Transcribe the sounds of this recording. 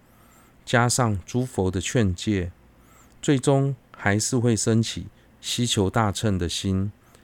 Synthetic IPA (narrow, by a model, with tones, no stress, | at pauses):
t͡ɕja˦ʂɑ˥˨ŋʈ͡ʂu˦fo˧˥ʊd̪ə˧t͡ɕʰɥɛ˥˧nt͡ɕjɛ˥˨ | t͡swe˥˩ɪʈ͡ʂʊ˦ŋxa˧˦ɪʂɻ̩˥˧xwe˥˨ɪʂə˦nt͡ɕʰḭ˨˩˦ | ɕi˥t͡ɕʰjo˧˥ʊt̪a˥˧ʈ͡ʂʰə˥˩nd̪ə˨ɕi˦n